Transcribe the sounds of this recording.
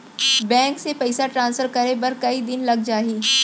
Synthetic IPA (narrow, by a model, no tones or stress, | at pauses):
bɛ̃ːŋksepɐɪsaʈɾãːnsfəɾkɐɾebɐɾkɐid̪ɪnlɐɡ̚d͡ʒaːɦiː